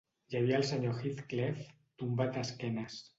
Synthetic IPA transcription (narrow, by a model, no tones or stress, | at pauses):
jaβiaəlˠsəɲoxiθklef | t̪umbat̪askɛnas